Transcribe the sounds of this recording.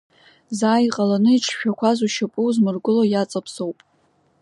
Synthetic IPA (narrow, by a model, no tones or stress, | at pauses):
zaːjqʼalanɨiʈ͡ʂʰʃᶣakʷʰazuʃapʼuwzmɨrɡʷʊlojat͡sʼapʰsowpʼ